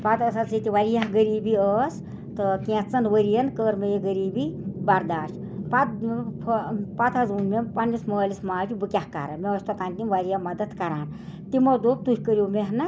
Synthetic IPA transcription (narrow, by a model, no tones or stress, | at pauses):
pat̪ɐsat͡sʰit̪ʲiʋaɾijaɦɡəɾiːbiəːs | t̪ɨkẽt̪t͡sɐnʋəɾijɐnkəːɾmɐjeɡəɾiːbibɐɾd̪aːʃt | pat̪pʰpat̪ʰɐzunmempɐnːisməːlismaːd͡ʒubɨkʲahka̰ɾɐ̰meəsʲt̪ɐt̪aːnʲt̪imʋaɾijamɐd̪ɐt̪kɐɾaːn | t̪imɐd̪oːp̚t̪uhʲkəɾjowmeɦnɨ